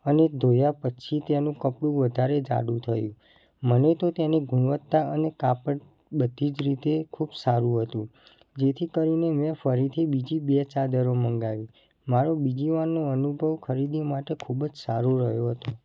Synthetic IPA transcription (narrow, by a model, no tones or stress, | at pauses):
əned̪ʱojapət͡ʃʰit̪enũkəpɽũʋəd̪ʱaɾed͡ʒa̰ɽũt̪ʰəjũ | mənet̪ot̪eniɡʱuɳʋət̪ːaənekapəɽ | bəd̪ʱid͡ʒɾit̪ekʰubsaɾũɦət̪ũ | d͡ʒet̪ʰikəɾinemɛ̃fəɾit̪ʰibid͡ʒibet͡ʃad̪əɾoməŋɡaʋi | maɾobid͡ʒiʋanːoənubʱəʋkʰəɾid̪imaʈekʰubd͡ʒsaɾoɾəɦjoɦət̪o